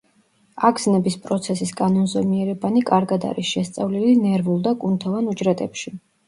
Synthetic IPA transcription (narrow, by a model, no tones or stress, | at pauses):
aɡʰznɛbispʼɾɔt̪sʰɛsiskʼanɔnzɔmiɛɾɛbanikʼaɾɡad̪a̰ɾisʃɛst̪sʼavlilinɛɾvulˠd̪akʼunt̪ʰavanud͡ʒɾɛt̪ʼɛpʃi